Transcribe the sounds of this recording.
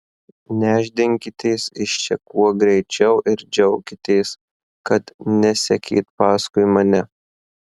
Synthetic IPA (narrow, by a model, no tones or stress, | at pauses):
nʲæːʒʲd̪ʲɪŋʲkʲɪt̪ʲeːsɪʃt͡ʃʲɛkuɔɡɾʲɛɪt͡ʃʲɛʊʔɪɾd͡ʒʲɛʊkʲɪt̪ʲeːs | kɐt̪nʲɛsʲɛkʲḭːt̪pɑːskʊɪmɐnʲɛ